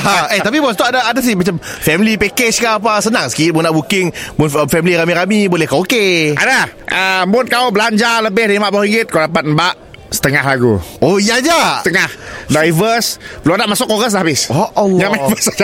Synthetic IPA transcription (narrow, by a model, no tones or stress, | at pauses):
aet̪ap̬ibɔst̪uadaadas̬imat͡ʃamfɛmilipɛket͡ʃkaʔːp̬asənaŋsə̥kimʊnːaʔbukɪŋmʊnəfɛmiliɾamiɾamibolɛhkawokeʔa̰da | ʔəmʊnkawbəlaɲd͡ʒaləbɪhdaimaʔbaiŋɡɪt̪̚kawdapat̪̚mbaʔ | sə̥t̪əŋahlaɡṵoijad͡ʒat̪əŋahdajvəspəloadaʔmasʊkoɣəs̬lahabɪsoʔɲamavəsada